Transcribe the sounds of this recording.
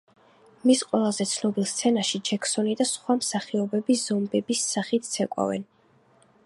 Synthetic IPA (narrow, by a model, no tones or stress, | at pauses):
misqʼwɛlˠazɛt̪sʰnɔbilˠst̪sʰɛnaʃid͡ʒɛkʰsɔnid̪asχwamsaχiɔbɛbiz̥ɔmbɛbisːaχit̪̚ʰt̪sʰɛkʼwa̰vɛ̰n